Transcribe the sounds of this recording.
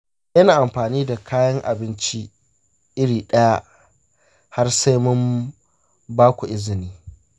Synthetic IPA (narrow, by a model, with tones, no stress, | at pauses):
jɐ˦naː˨ʔa˨mɸaː˨niː˦da˨kʰaː˦jɐ˦ŋʔa˨bɪ˦nt͡ʃi˦ | ʔɪ˦ɽiː˨ɗɐ˦ja˦ | ha˦rsa˦jmʊ˦m | baː˦kʷu˨ʔɪ˦zɪ˨niː˦